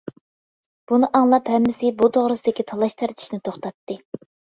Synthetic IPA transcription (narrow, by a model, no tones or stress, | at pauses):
b̥unɨʔɑŋlˠɑphɛmːɪsɪbut̪ʰoʁɾɨsɪd̪ɪkʲit̪ʰɑlˠɑʃt̪ʰɨɾt̪ʰɪ̥ʃnɪt̪ʰoχt̪ɑt̪ːɨ